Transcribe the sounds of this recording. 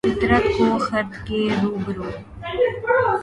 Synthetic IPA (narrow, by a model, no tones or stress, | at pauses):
ɪt̪ɾət̪koːxɐɾt̪keːɾuːbɾoː